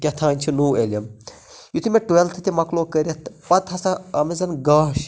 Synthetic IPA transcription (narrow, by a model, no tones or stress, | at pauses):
kʲɐt̪ʰãːnʲt͡ʃʰinuːelʲɐm | jut̪ʰimeʈuelt̪ʰɐt̪ʲimɐkloːkəɾʲɐt̪pɐt̪ɦɐsɐɐmezɐnɡaːʃ